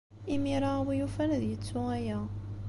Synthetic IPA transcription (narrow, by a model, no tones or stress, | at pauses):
imiɾˤɑwijufænðjət͡sːuæjæ